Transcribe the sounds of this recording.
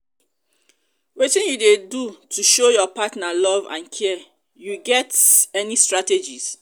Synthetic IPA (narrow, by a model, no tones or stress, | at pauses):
wetĩnjudedutʰuʃojɔpatnalɔvã̰nkʰɛ | juɡɛtɛnistɹated͡ʒis